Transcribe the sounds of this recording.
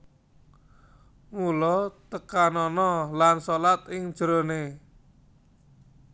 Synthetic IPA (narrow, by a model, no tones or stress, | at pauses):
mulɔt̪əkanɔnɔlansolat̪ɪŋ̥ʒ̥ɾone